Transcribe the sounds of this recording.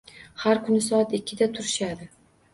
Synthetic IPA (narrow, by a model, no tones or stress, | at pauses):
haɾkʰʊnɪsɒat̪ɪkʲʰːɪd̪at̪ʰʊɾɪʃad̪ɪ